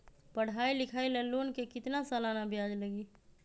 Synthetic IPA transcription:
pəɽ̤ailɪkʰailelonkekɪt̪nasalanabjad͡ʒləɡi

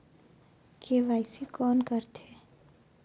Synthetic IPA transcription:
keʋaːɪsikɔːnkəɾt̪ʰeː

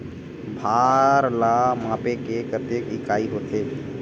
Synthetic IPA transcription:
bʱaɾlamãpekekət̪ekikaiɦot̪ʰe

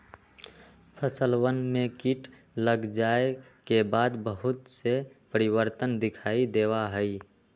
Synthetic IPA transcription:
pʰəsəlwənmẽkiʈ | ləɡd͡ʒaːe | kebaːd̪bəɦʊt̪sepəɾiwəɾt̪ənd̪ɪkʰaːid̪eːwaɦəi

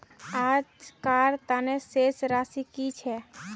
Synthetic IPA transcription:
aːd͡ʒkaɾt̪anesesɾaːsikit͡ʃʰɛ

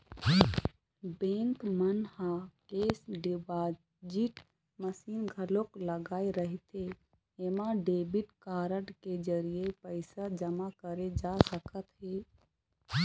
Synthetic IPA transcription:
bẽŋkmənhakesɖba | d͡ʒiʈ | məsinɡʱəlokləɡaːiɾəɦit̪e | emaɖebiʈkaɾəʈked͡ʒəɾijepəɪsad͡ʒəmakəɾed͡ʒasəkət̪ɦe

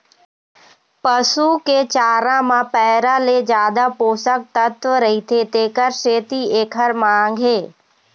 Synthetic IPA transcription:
pəsuket͡ʃaːɾãmãpɛɦɾaled͡ʒjaːd̪apoːsək̚t̪ət̪ʋəɾəɦit̪ʰet̪eːkəɾʃeːt̪ieːkʰəɾmãːŋ̆ɡʱeː

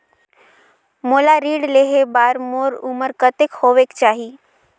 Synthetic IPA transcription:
moːlaɾiːɽleːɦebaːɾmoːɾʊməɾkət̪ekhoːʋekt͡ʃaːɦiː

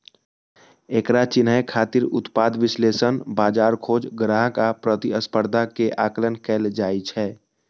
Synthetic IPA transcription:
eːkɾat͡ʃɪnɦəjkʰaːt̪ɪɾʊ̰t̪paːd̪ʋɪsleːsənbaːd͡ʒaːɾkʰoːd͡ʒɡɾaːɦkapɾət̪iəspəɾd̪ʱakeʔaːklənkɛːld͡ʒaːit͡ʃʰɛː

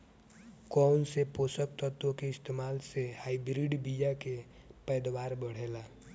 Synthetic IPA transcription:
kɔnsepoːsək̚t̪ət̪õkeɪst̪eːmaːlsehaːibɾiɖbijake | pɛːd̪waːɾbəɽ̤elaː

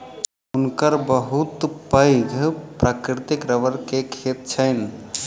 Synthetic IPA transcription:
unkəɾbəɦut̪pəɪɡʱpɾakɾɪt̪ikɾəʋəɾkekʰet̪̚t͡ʃʰəɪn

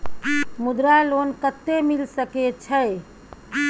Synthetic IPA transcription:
mud̪ɾalonkət̪ːemilsəket͡ʃʰəe

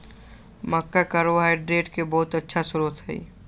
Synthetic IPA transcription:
məkːakaɾoɦaɪɖɾeːʈkebɔːʊt̪ətːʃʰasʊɾuːt̪ɦɛ̰ḭ

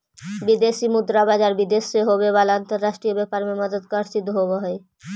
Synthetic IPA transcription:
bid̪eʃimud̪ɾabad͡ʑaɾbid̪eʃeɦobeβalant̪aɾːaʃʈɾiobɛpaɾmemʌd̪əd̪kaɾsid̪oɦobaɦɔe

